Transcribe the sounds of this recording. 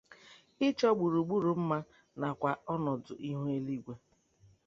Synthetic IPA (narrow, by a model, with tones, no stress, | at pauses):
ɪ˦t͡ʃɔ˦ɡ͡bu˨ɾu˨ɡ͡bu˦ɾu˨m̩˦ma˦ | na˨kʷa˨ɔ˦nɔ˨dʊ̰˨ʔi˦ɦu˦e˦li˦ɡʷe˦